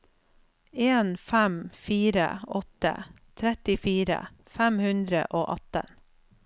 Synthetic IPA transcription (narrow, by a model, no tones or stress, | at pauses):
eːnfæmfiːɾə̰ɔt̪ə̰ | t̪ʰɾɛt̪ɪfiːɾə̰ | fæmhʉnd̪ɾə̰ʔoːʔɑt̪ə̰n